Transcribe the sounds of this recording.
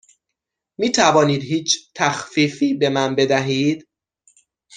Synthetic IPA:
miːt̪ʰævɒːniːd̪hiːt͡ʃʰt̪ʰæxfiːfiːbe̞mænbe̞d̪æɦiːd̪̥

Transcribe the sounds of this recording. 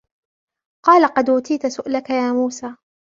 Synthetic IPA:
qɑːlaqɑd̪ʔʊːt̪iːt̪asʊʔlakajaːmuːsaː

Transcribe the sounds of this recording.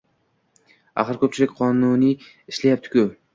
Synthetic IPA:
a̰χɨɾkʰʲɵp̚t͡ʃʰɪlɪkʲqʰɒnunɪ | ɪʃlajap̚t̪ʰɪ̥kʲʰʊ

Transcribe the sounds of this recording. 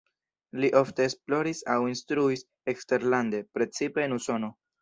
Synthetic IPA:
liʔo̞fte̞ːsplo̞ɾisawinstɾuis | ekste̞ɾlande̞pɾe̞t͡sipe̞ːnuso̞no̞

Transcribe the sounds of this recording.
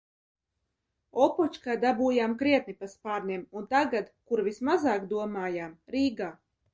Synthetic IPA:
ɔpɔt͡ʃkaːd̪abuːjaːmkɾiɛt̪̚nipaspaːɾnʲiɛmunt̪aɡad̪kuɾvismazaːkd̪uɔmaːjaːmɾiːɡaː

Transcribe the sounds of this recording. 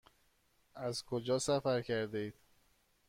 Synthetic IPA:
æzkʰod͡ʒɒːsæfæɾcʰæɾd̪ed̪̥

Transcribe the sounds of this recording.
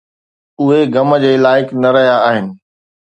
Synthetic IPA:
ʊɦeɡɐmə̆d͡ʑeːlaːɪknɐɾɐɦijaːɦɪnɪ̆

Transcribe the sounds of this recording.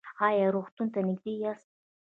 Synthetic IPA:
ajaɾuχt̪ʰunt̪ʰanɪɡ̚d̪ijas

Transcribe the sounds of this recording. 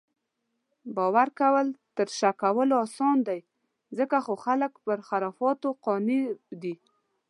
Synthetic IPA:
bɑwaɾkawəlt̪əɾʃakawəloɑsɑnd̪aj | zəkaxoxaləkpəɾxaɾɑfɑt̪oqɑnid̪i

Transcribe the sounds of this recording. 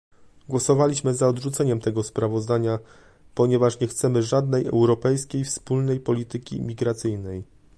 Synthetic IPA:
ɡwɔsɔvalʲiɕmɘzaɔd̪ʐut̪sɛɲɛmt̪ɛɡɔspɾavɔzd̪aɲa | pɔɲɛvaʂɲɛxt̪sɛmɘʐad̪̚nɛjɛ̰wɾɔpɛjskʲejfspulnɛjpɔlʲit̪ɘkʲḭmʲiɡɾat̪sɘjnɛj

